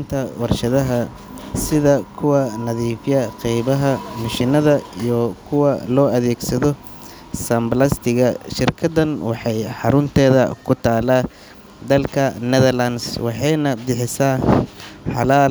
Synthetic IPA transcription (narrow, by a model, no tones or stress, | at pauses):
nt̪ʰɐwɑrʃɐðɐɦɐ | sɪðɐkʰʊwɐnɐðiːfjɐqɛjβɐɦɐmɪʃɪnɐðɐijɔkʰʊwɐlɔːɐðɛːɡsɐðɔ | sɐmblɐst̪ʰɪɣɐʃɪrkʰɐd̪ɐnwɑħɑjħɑɾʊnt̪ʰɛːðɐ̰kʰʊt̪ʰaːlaː | d̪ɐlkʰɐnɛðɐrlɐnswɑħɑjnɐbɪħɪsa | ħɑlaːl